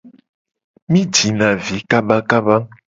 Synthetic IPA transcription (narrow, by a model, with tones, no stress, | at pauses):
mĩ˦d͡ʒi˨nã˨vi˨˦ka˦ba˦ka˦ba˦